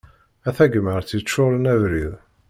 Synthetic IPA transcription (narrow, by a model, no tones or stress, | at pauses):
æθæɡməɾθit͡ʃːʊɾˤənævɾið